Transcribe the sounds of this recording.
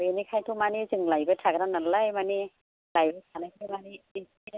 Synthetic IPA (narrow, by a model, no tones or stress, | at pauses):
ɔjanikʰajtʰumanizɯŋlajbatʰaɡnanalajmani | lajbɯjtʰanajkʰɯjmaniisi